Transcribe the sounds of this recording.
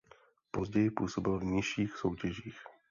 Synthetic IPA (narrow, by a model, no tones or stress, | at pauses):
po̞zɟɛjɪpṵːso̞bɪlvɲɪʃiːxso̞wcɛʒiːx